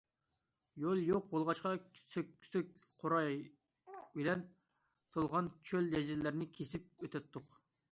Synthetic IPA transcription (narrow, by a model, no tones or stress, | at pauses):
jolˠjoq̚bolˠʁɑʃqɑsʲʰsøk̚ʲ | qʰoɾɑj | bɪlɛn | t̪ʰolˠʁɑnt͡ʃʰøljɛd͡ʒizlæɾnɪkʲʰesɪp̚øt̪ʰɛt̪ʰːʊq